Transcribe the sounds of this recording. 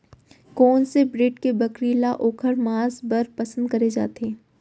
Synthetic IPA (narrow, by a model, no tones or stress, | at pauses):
kɔːnsebɾɪʈkebɐkɾiːlaʔoːkʰəɾmaːzbɐɾpɐsə̃nd̪̚kɐɾed͡ʒa̰ːt̪eː